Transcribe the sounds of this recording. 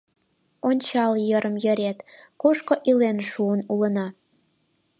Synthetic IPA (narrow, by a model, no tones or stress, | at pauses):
onʲt͡ɕɑljəɾəmjə̆ɾet̪koʃkoʔilenʃuənulə̆nɑ